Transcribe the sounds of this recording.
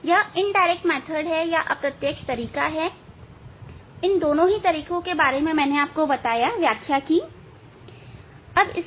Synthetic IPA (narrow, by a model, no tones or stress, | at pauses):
jaɪnɖaːɪɾɛk̚ʈmɛːt̪ʰəɾɖɦɛjaʔɐpɾɐt̪jəkʃt̪ɐɾiːkaɦɛː | ɪnd̪oːnõɦit̪ɐɾiːkõkebaːɾemẽmɛːneaːp̚kobɐt̪aːjaʋjaːkʰjaki | ɐbɪ̰